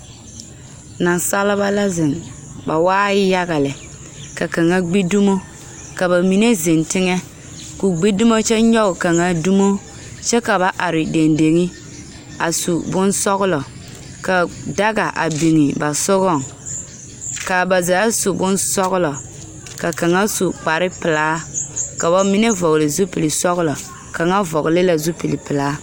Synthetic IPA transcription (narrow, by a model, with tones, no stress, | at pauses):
na˨nsa˦lɪ˦ba˦la˦zɪ˨n | ba˨waː˦jɪ˦ja˦ɣa˨lɪ˨ | ka˨ka˨ŋa˦ɡ͡bi˦du˦mo˦ | ka˨ba˨mi˨ne˦ze˨ntɪ˦ŋɛ˦ | ku˨ɡ͡bi˦dʊ˦mo˦t͡ʃɛ˦ɲɔ˦ʊ˨ka˨ŋa˦du˦mo˦ | t͡ʃɛ˦ka˨βa˨ʔa˨ɾɪ˨de˨nde˨ŋi˦ | a˨su˨bʊ˦nsɔ˦ɣʊ˦lɔ˨ | ka˨da˦ɣa˨ʔa̰˨bi˨ŋɪ˨ba˨sʊ˦ɣɔ˦˨ŋ | ka˨ba˨za˨ja˦su˨bʊ˦nsɔ˦ɣʊ˦lɔ˨ | ka˨ka˨ŋa˦su˨k͡pa˨ɾɪ˦pɪ˨laː˨˦ka˨ba˨mi˦ne˦vɔ˨ɣlɪ˨zu˦pi˨lɪ˨sɔ˦ɣʊ˦lɔ˨ | ka˨ŋa˦vɔ˨ɣɪ˨lɪ˦la˨zu˦pi˨lɪ˨pɪ˨laː˦